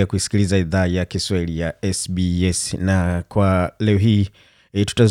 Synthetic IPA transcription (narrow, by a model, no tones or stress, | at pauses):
akuisi̥kilizaiðaːjakiswahilijaɛsbiɛsnakwalɛɔɦiː | tu̥ta